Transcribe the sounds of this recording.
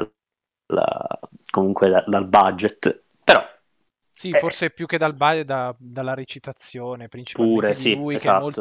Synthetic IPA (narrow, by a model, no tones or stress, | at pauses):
la̰komuŋkwed̪ad̪albad͡ʒet̪ | peɾɔ | siforsepjuk̟ːed̪albad͡ʒet̪d̪ad̪alːaɾet͡ʃit̪at̪sːjoːnepɾint͡ʃi̥pauːɾesiuikeaol